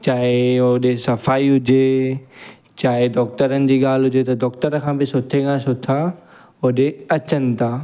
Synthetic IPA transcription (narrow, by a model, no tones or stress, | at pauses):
t͡ɕaːɦɪʊɗesɐfaːiɦʊd͡ʑe | t͡ɕaːɦɪd̪ɔːk̚t̪əɾənɪ̆d͡ʑiːɠaːl̤ɦʊd͡ʑet̪ɐd̪ɔːk̚t̪əɾkʰãːbɪsʊt̪ʰeɡãsʊt̪ʰa | ʊɗeɐt͡ɕənɪ̆t̪ʰaː